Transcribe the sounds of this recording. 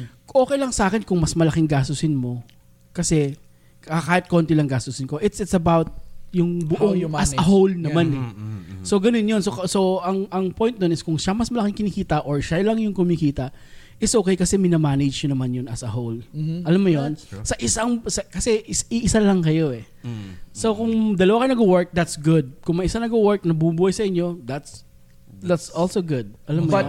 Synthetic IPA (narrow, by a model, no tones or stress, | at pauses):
ʔo̞ːkɛjlɐŋsaːkɪnkʊŋmɐsmɐlɐkɪŋɡaːst̪ʊsɪnmo̞ | kɐsɛ | kɐkɐkaːhɪt̪̚kont̪ɪlɐŋɡaːst̪ʊsɪnko̞ʔɪt̪sɪt̪sɐbawt̪̚jʊŋbʊʔoŋɐsɐɦowlnɐmanɛso̞ɡɐnonjonsosoʔɐŋʔɐŋpojnt̪̚onɪskʊŋʃamɐsmɐlɐkɪŋkɪnikiːt̪ɐʔoɹʃalɐŋjʊŋkʊmikiːt̪ɐ | ʔɪsʔokejkɐsɛmɪnamaːnɛd͡ʒɲonɐmanjʊnɐsɐhowlʔɐlamːʊjonsɐʔɪsaŋsɐkɐsɛʔɪsʔɪʔɪsalɐŋkɐjo̞ʔɛ | so̞kʊŋd̪ɐlɐwakɐjnɐɡʊwɛɹk̚d̪ɐt̪sɡʊd̪̚kʊŋmɐʔɪsanɐɡʊwɛɹk̚nɐbumbuːhɐjsɐʔɪɲːo̞d̪at̪s | d̪ɐt̪sɔlsoɡʊd̪̚ʔɐlamːʊ